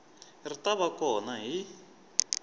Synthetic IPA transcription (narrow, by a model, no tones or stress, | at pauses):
rit̪aβakɔnaɦi